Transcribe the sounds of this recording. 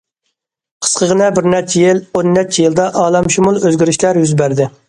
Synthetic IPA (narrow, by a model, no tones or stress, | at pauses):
qʰə̥sqʰəʁənɛbɪɾnɛɾt͡ʃʰɛjilonːɛt͡ʃʰːɛjilˠd̪ɑʔɑːlˠɑmʃumulˠøzɡʲiɾiʃlæɾjyzbæɾd̪ɪ